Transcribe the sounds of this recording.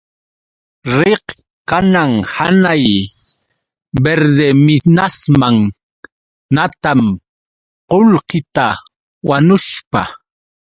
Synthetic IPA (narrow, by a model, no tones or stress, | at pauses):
ɾeh | kanaŋhanaj | beɾd̪emɪnasmaŋ | nat̪am | qolhɪt̪a | wanʊʃpa